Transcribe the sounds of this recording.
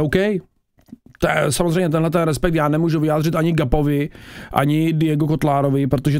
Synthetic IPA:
owkɛj | t̪oɛsamozrɛjmɲɛt̪ɛnɦlɛt̪ɛnɾɛspɛk̚t̪jaːnɛmuːʒuvɪjaːd̪r̝ɪt̪ʔaɲɪɡapovɪʔa̰ɲɪdɪjɛɡokot̪laːɾovɪpɾot̪oʒɛ

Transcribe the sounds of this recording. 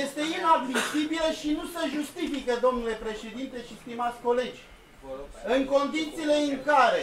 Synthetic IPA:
jest̪e̞inad̪misibiləʃinuseʒust̪ifikəd̪o̞mnule̞pɾe̞ʃe̞d̪int̪e̞ʃist̪imat̪sʲko̞le̞d͡ʒʲ | ɨŋko̞nd̪it̪siːle̞ɨŋkaɾe

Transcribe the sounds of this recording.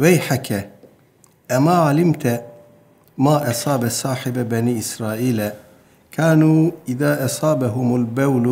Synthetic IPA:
wajħaka | ʔamaːʕalɪmt̪a | maːʔɑsˤɑːbasˤɑːħɪbbaniːʔɪsɾˤaːʔiːla | kʰaːnuːʔɪðaːʔɑsˤɑːbaɦʊmalbawl

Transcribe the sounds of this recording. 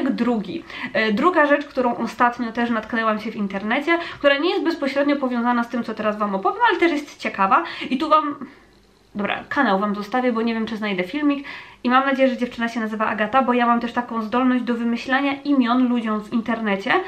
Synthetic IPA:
ɡd̪ɾuɡʲḭd̪ɾuɡaʐɛt͡ʂkt̪uɾɔ̃w̃ʔɔst̪at̪ɲɔt̪ɛʂnat̪knɛwamɕɛvʲint̪ɛɾnɛt͡ɕɛkt̪uɾaɲɛjɛst̪bɛspɔɕɾɛd̪ɲɔpɔvʲjɔ̃w̃zanast̪ɘmt̪sɔt̪ɛɾasvamɔpɔvʲjɛmalɛt̪ɛʂjɛst̪t͡ɕɛkavait̪uvam | d̪ɔbɾa̰kʰanawvamzɔst̪avʲjɛbɔɲevjɛmt͡ʂɘznajd̪ɛfʲilmʲikimamnad͡ʑejɛʐɛd͡ʑɛft͡ʂɘnaɕɛnazɘvaʔa̰ɡat̪abɔjamamt̪ɛʂt̪akɔ̃w̃zd̪ɔlnɔʑd͡ʑd̪ɔvɘmɘɕlaɲaʔimʲjɔnlud͡ʑɔ̃w̃vint̪ɛɾnɛt͡ɕɛ

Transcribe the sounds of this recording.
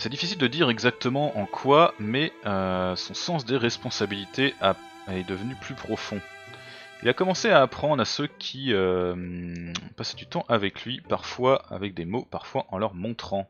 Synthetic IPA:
sɛd̪ifisild̪əd̪iʁɛɡzak̚t̪əmɑ̃ʔɑ̃kʰwamɛøsɔ̃sɑ̃sd̪eʁɛspɔ̃sabilit̪ʰeʔa | ɛd̪əvənyplypχɔfɔ̃ | ilakɔmɑ̃seaːpχɑ̃d̪ʁasøkʲʰiømpasɛ̥d̪yt̪ɑ̃ʔavɛklɥipaʁfwaa̰vɛk̚d̪emopaʁfwaʔɑ̃lœʁmɔ̃t̪χɑ̃

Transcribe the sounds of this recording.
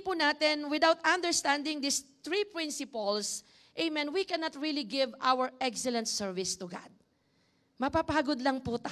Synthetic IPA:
pʊnat̪ɪnwɪd̪awt̪ɐ̃nd̪ɛɹst̪ãnd̪ɪŋd̪ɪst̪ɾipɹɪ̃nsɪpɐls | ʔɛjmɛnwikɛnat̪ɹiliɡɪvʔawəɹʔɛksɛlɛ̃nt̪sɛɹvɪst̪ʊɡa̰d̪̚ | mɐpapaːɡod̪lɐŋput̪a

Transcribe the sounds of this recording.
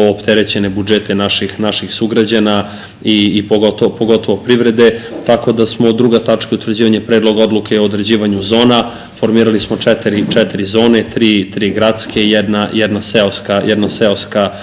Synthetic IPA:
oːpt̪eɾet͡ɕe̞nebud͡ʒet̪e̞naʃixnaʃixsuɡɾad͡ʑana | iːpoɡot̪opoɡo̞t̪o̞ʋo̞pɾiʋɾe̞d̪e̞t̪ako̞d̪asmood̪ːɾuɡat̪at͡ʂkeut̪vɾ̩d͡ʑiːʋaɲepɾeːd̪lo̞ɡao̞d̪lukeood̪ɾed͡ʑiːʋaɲuzo̞ːna | fo̞ɾmiːɾalismo̞t͡ʃɛt̪eɾit͡ʃɛt̪iɾizo̞ːnet̪ɾiːt̪ɾiːɡɾat̪skʰe̞jɛd̪najɛd̪naseoskajʔɛd̪naseoska

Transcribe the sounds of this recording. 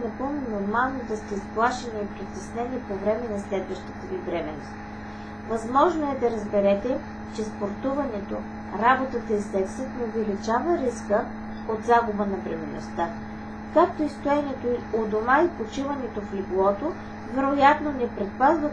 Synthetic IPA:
nɐpominoɾmalˠnod̪ɐst̪ɛisplˠaʃɛniipɾit̪ɛsnɛnipovɾɛmɛnɐslɛd̪vəʃt̪ə̥t̪əvibɾɛmɛnost̪ | vɐzmɔʒnoɛd̪ɐɾəzbɛɾɛt̪ɛ | t͡ʃɛspoɾt̪uvɐnɛt̪o | ɾabot̪ət̪əisɛksət̪nɛovɛlit͡ʃavəɾiskə | od̪zaɡʊbənɐbɾɛmɛno̰st̪a | kak̚t̪oist̪oɛnɛt̪ood̪omaipot͡ʃivɐnɛt̪ofliblˠɔt̪o | vɛɾojat̪nonɛpɾɛt̪̚pazno

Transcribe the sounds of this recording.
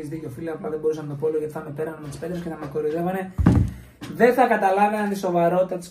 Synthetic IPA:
ezðicofilɐɐplɐðebo̞ɾusɐnɐt̪o̞poloʝɐt̪iθɐmepe̞ɾɐnemet̪i̥spe̞t̪ɾesceθɐmekoɾiðevɐne̞ | ðe̞nθɐkɐt̪ɐlɐveɐnt̪iso̞vɐɾo̞t̪i̥t̪ɐt̪is

